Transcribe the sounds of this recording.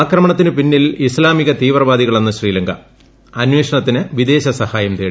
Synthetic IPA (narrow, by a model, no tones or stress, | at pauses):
aːkrɐmɐɳɐt̪ːinɨpinːilislaːmiɣɐt̪iːʋrɐʋaːd̪iɣɐɭenːɨɕriːlɐŋɡɐ | ɐnwe̞ːʂɐɳɐt̪ːinɨʋid̪e̞ːɕɐsɐhaːjɐmt̪eː